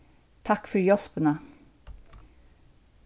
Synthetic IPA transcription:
t̪ʰɑkːfœɾjɔspənə

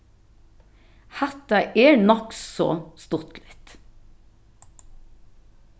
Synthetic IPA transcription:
hæt̪ɑʔeːɳɔkssɔ̰st̪ʊt̪lɪt̪

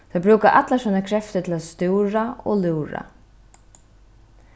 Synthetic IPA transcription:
t̪ʰɔbɾuːkaʔat̪lasɔnakʰɾɛft̪ət̪ʰɪlast̪uwɾaɔ̰lʉːɾa̰

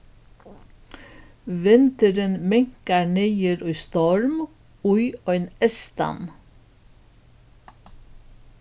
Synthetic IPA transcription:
ʋɪnt̪əɾənmɛŋkɑɳeɪəɾɔːst̪ɔɹm | ʊʏoːeːnɛst̪ɑ̰n

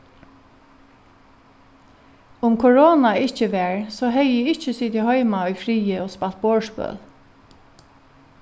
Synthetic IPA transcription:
ʊmkʰɔɹoːnaɪht͡ʃəʋɛɹsɔːɦɛjɪɪht͡ʃəsit̪ʰɪhɔʏmaɔjfɾiːəɔspal̥t̪̚boːɹspœ̰ːl

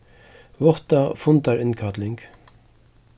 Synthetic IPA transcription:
vɔht̪afʊnt̪aɹɪnkʰat̪lɪŋk

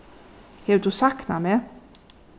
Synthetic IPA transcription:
heːd̪ʉsɑknɑmeː

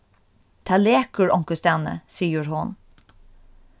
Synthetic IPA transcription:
t̪ʰaːleːkəɹɔŋkəst̪ɛnə̰siːəɹɦʊn

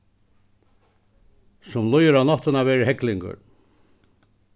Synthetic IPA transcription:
sʊmlʊjəɾanɔht̪ɪnavɛːɾɪɦɛklɪŋkʊ̰ɾ

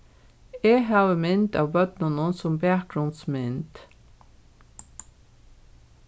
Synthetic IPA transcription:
eːhɑːʋəmɪnt̪ɑ̰ːʋbœt̪nənɔnsɔmbæːk̚ɡ̥ɹʉnd̪smɪnd̪̥

